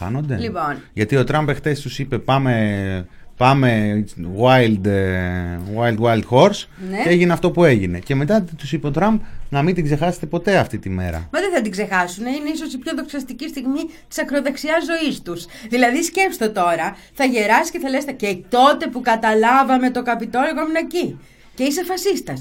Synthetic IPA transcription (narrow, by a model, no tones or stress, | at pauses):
ɐ̰no̞nd̪e̞lipo̞nʝɐt̪io̞t̪ɾɐmbe̞xθe̞st̪usipe̞pɐme | pɐme̞ɣwajld̪ | ɣwajld̪wajld̪xo̞ɾs | neeʝineɐft̪o̞pue̞ʝine̞ceme̞t̪ɐt̪t̪usipeot̪ɾɐmbnɐmind̪iɡze̞xɐse̥t̪e̞po̞t̪e̞ɐft̪it̪ime̞̰ɾɐ̰mɐðeθɐt̪iɡze̞xɐsuneineiso̞sipçoðo̞ksɐst̪icist̪iɣmit̪i̥sɐkɾoðeksiɐzːo̞ist̪us | ðilɐðisce̞pst̪ot̪o̞ɾɐ | θɐʝe̞ɾɐsi̥ceθɐlest̪ecet̪o̞t̪e̞pukɐt̪ɐlɐvɐme̞t̪o̞kɐpit̪oloɣominɐci | ce̞isefɐsist̪ɐs